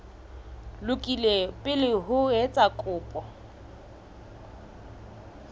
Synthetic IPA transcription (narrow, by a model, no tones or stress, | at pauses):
lʊkʼilepʼɪlɪɦʊɛt͡sʼakʼʊːpʼɔ